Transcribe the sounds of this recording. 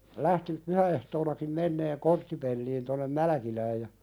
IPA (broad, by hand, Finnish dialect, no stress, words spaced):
læhti pyhæehtoːnɑkim menːeːŋ kortːipelːiːn tonːem mælæ̆kilæːj jɑ